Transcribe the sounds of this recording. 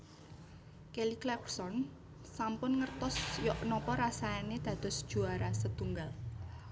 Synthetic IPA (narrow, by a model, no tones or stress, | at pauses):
keliklɛksɔn | sampʊnŋərt̪ɔsjɔʔnɔpɔɾasaaned̪̥ä̤d̪̥ɔ̤sd̥ʒ̥uaɾasət̪uŋɡal